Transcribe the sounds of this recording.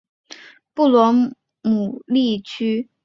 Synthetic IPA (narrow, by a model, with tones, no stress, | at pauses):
pu˥˩lwɔ˧˥ | mu˨˩li˥˩t͡ɕʰy˥